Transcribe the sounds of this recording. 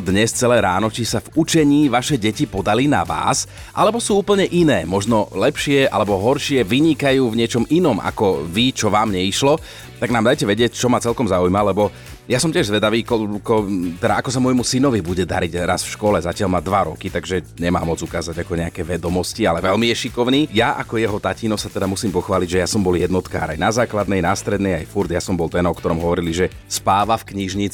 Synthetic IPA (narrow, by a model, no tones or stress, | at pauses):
d̪ɲɛst͡sɛlɛːɾaːnɔt͡ʃisavut͡ʃɛɲiːʋaʃɛɟɛcipɔd̪alina̰ʋa̰ːs | ʔa̰lɛbɔsuːuːpl̩ɲɛʔinɛːmɔʒnɔlɛpʃɪɛʔa̰lɛbɔɦɔɾʃɪɛʋiɲikajuːvɲɪɛt͡ʃɔminɔma̰kɔʋit͡ʃɔʋaːmɲɛiʃlɔ | t̪aɡnaːmd̪ajcɛʋɛɟɪɛct͡ʃɔmat͡sɛlkɔmzaujmalɛbɔ | jasɔmcɪɛʒzʋɛd̪aʋiːkɔkɔt̪ɛd̪aʔakɔsamɔjmusinɔʋibuɟɛd̪a̰ɾiɟɾasfʃkɔlɛzacɪalmad̪ʋaɾɔkit̪aɡʒɛɲɛma̰ːmɔd͡zukaːzaɟakɔɲɛakɛʋɛd̪ɔmɔscialɛʋɛlmijɛʃikɔʊniːjaʔakɔjɛɦɔt̪aciːnɔsat̪ɛd̪amusiːmpɔxʋaːliɟʒɛjasɔmbɔljɛd̪nɔt̪ka̰ːɾa̰jnazaːklad̪nɛjnaːst̪ɾɛd̪nɛja̰jfuɾd̪jasɔmbɔlˠt̪ɛnɔkt̪ɔɾɔmɦɔʋɔɾiliʒɛ | spaːʋafkɲiʒɲit͡s